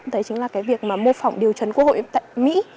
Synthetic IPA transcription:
t̪əː˨˦jt͡ɕɨ˨˦ŋlaː˨˩kaː˨˦jvi˨˩ək̚maː˨˩mo˧fɔ˨˩wŋ͡mɗi˨˩əwt͡ɕə˨˦nkəkho̰˧˨jt̪a̰ː˧˨jmḭ˧˥

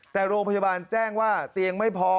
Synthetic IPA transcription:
t̪ɛː˨˩ɾoː˧ŋpʰjaː˧baː˧nt͡ɕɛː˥˩ŋwaː˥˩t̪i˧əŋma˥˩jpʰɔ˧

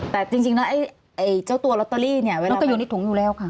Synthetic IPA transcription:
t̪ɛː˨˩t͡ɕi˧ŋt͡ɕi˧ŋnɔ˦˥ʔa˧˩j | ʔa˧˩jt͡ɕaː˥˩wt̪u˧ɐlɔ˧˦˥t̪ːɔ˧liː˥˩ni˥˩ɐwːlkːjuː˨˩na˥˩t̪ʰu˩˦ŋjuː˨˩lɛː˦˥˩wkʰa˥˩

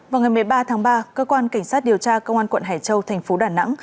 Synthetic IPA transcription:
vaː˨˩wŋa˨˩jmɨ˨˩əjɓaː˧t̪ʰaː˨˦ŋɓaː˧kəː˧kwaː˧nka˧˩ŋ̟saː˦˥t̚ɗi˨˩əwt͡ɕaː˧kə˧wŋ͡mʔaː˧nkwə̰˧˨nɦaː˨˩jt͡ɕə˧wt̪ʰɛ˨˩jŋ̟fo˨˦ɗaː˧˩na̰˧˥ŋ

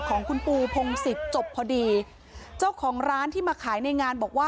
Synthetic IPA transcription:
kʰɔː˩˦ŋkʰu˧npuː˧pʰo˧ŋsi˨˩t̪̚t͡ɕo˨˩pʰːɔː˧diː˧ | t͡ɕaː˥˩wkʰɔː˩˦ŋɾaː˦˥nt̪ʰiː˥˩maː˧kʰaː˩˦jna˧jŋaː˧nbɔː˨˩k̚waː˥˩

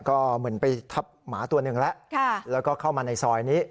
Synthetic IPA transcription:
kɔː˥˩mɯ˩˦ənpa˧jt̪ʰa˦˥p̚maː˩˦t̪u˧ɐnɯ˨˩ŋlɛ˦˥ʔkʰa˥˩lɛː˦˥wkɔː˥˩kʰa˥˩wmaː˧na˧jsɔː˧jniː˦˥

